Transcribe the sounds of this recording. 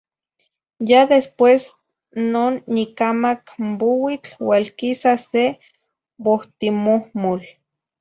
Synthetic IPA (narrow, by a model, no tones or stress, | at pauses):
jad̪espwes | noːnːikamakmbowit͡ɬwalkisase | boht̪imohmol